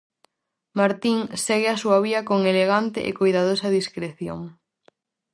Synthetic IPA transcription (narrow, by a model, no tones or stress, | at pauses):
maɾt̪iŋsɛɣɪasuɐβiɐkoŋeleɣ̞ant̪ɪ̰ʔḛkojðaðosɐðiskɾeθjo̰ŋ